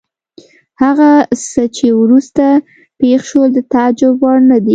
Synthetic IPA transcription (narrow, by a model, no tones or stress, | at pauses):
haɣasət͡ʃewɾust̪a | pexʃold̪ət̪ad͡ʒʊbɑɽnad̪i